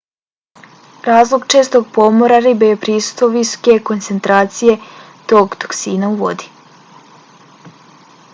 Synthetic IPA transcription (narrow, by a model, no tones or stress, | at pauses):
ɾaːzlˠoɡt͡ʃe̞ːst̪oɡ̚po̞moɾaɾibejepɾisu̥st̪ʋoʋiso̥ke̞ko̞nt̪se̞nt̪ɾaːt̪sije̞ | t̪o̞ːɡt̪o̥ksiːnauʋo̰d̪i̥